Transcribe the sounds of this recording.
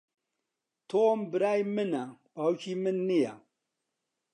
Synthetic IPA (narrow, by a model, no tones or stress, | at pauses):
tombɨɾajmɨnak͡paukimɨnːija